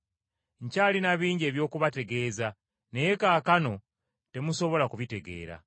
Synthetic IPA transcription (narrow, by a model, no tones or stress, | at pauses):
ɲcalinaβiːɲɟe̞ːβjo̞ːkuβate̞ɡe̞ːza | ne̞jekaːkano̞ | te̞muso̞βo̞lakuβite̞ɡe̞̰ːɾa̰